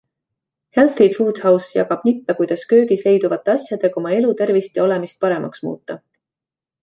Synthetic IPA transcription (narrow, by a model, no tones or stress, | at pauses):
helθifuːd̪̥hɑwsjɑ̰ɡɑb̥nipːekujd̪̥ɑskø̞ːɡ̥isle̞jd̪uvɑt̪ːˑe̞ɑsʲjɑd̪̥e̞ɡ̥ɑo̞mɑe̞lut̪e̞rvist̪jɑo̞le̞mist̪̚pɑɾe̞mʔɑksmṵːt̪ːˑɑ